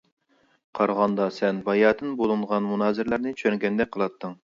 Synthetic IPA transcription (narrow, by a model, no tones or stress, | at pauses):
qʰɑɾʁɑnd̪ɑsɛnbɑjɑːd̪ɨnbolˠɨɴʁɑnmunɑːzɨɾlæɾnɪt͡ʃʰøŋɡʲɛnd̪ɛk̚ʲqʰəlˠɑt̪ʰːɨŋ